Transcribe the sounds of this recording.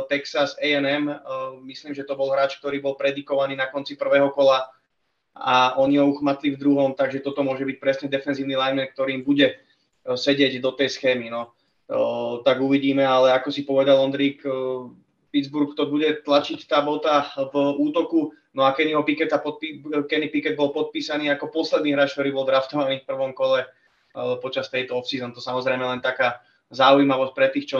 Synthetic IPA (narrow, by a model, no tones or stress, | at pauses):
t̪ɛksasɛɛnɛmmisliːmʒɛt̪ɔbɔlɦɾaːt͡ʃk̚t̪ɔɾiːbɔlpɾɛd̪ikɔʋaniːnakɔnt͡sipr̩ʋɛːɦɔkɔla | aʔɔniɔuxmat̪livd̪ɾuɦɔmt̪aɡʒɛt̪ɔt̪ɔmʊɔʒɛbic̚pɾɛsɲɛd̪ɛfɛnziːʊnilajmɛnk̚t̪ɔɾiːmbuɟɛ | sɛɟɪɛɟd̪ɔt̪ɛjsxɛːminɔ | t̪aɡuʋiɟiːmɛalɛakɔsipɔʋɛd̪alɔnd̪ɾiːk | pid̪d͡zbuɾkt̪ɔbuɟɛt̪lat͡ʃict̪aːbɔt̪avuːt̪ɔku | nɔakɛniɛɦɔpikɛt̪apɔt̪̚pikɛnipikɛd̪̚bɔlˠpɔt̪̚piːsaniːakɔpɔslɛd̪niːɦɾaːt͡ʃk̪̚t̪ɔɾiːbɔlˠd̪ɾaft̪ɔʋaniːfpr̩ʋɔmkɔlɛ | pɔt͡ʃast̪ɛjt̪ɔɔfsizɔnt̪ɔsamɔzɾɛɪmɛlɛnt̪akaː | zaujmaʋɔsc̚pɾɛt̪iːxt͡ʃɔ